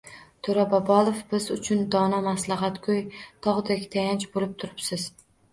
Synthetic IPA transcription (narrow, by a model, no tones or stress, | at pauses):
t̪ʰoɾabɒbɒlˠofbɪzʊt͡ʃʰʊnd̪ɒnamaslˠɑɦat̪kʰojt̪ʰɒʁd̪akʲt̪ʰajant͡ʃbolɪp̚t̪ʰʊɾɪpsɪz̥